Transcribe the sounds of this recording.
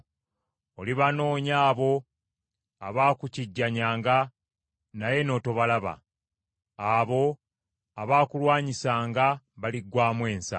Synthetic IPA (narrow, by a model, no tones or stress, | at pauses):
oliβano̞ːɲaːβo̞ | aβaːkuciɟːaɲaːŋɡa | naje̞no̞ːto̞βalaβa̰ | aβo̞ | aβaːkulwaːɲisaːŋɡa | βaliɡwaːmwe̞ːnsa̰